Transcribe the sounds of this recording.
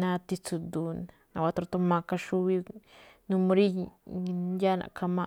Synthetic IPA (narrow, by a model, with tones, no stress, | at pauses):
nã˧t̪i˧t͡su˧d̪u˧n | na̰˨wa˧t̪ɾt̪u˧ma˧ka˧ʃu˦βi˧nu˧mo˧ɾi˦ | ja˦na̰˨ka˧ma˧